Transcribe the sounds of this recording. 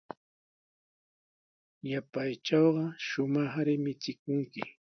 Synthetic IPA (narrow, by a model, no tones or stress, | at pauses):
japajt͡ʃɑwɢɑʃʊmɑχɾɪmɪt͡ʃɪkʊŋkɪ̰